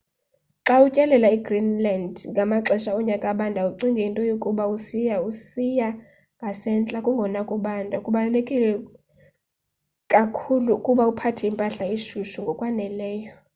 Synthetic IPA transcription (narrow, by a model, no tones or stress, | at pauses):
ǁaucʼɛlɛlaiɡrinlandŋɡʱamaǀɛʃaɔɲakʼaɓandʱauǀiŋɡʱiintʼɔjokʼuɓausijausija | ŋɡʱasɛnt͡ɬʼakʼuŋɡʱɔnakʼuɓandʱakʼuɓalekʼilɛ | kʼakʰulukʼuɓaupʰatʰɛimpʼaɬaiʃuʃuŋɡʱɔkʼwanɛlɛːjɔ